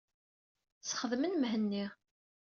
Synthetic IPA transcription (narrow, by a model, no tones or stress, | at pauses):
t͡sːχəðmənmɦənːiʁ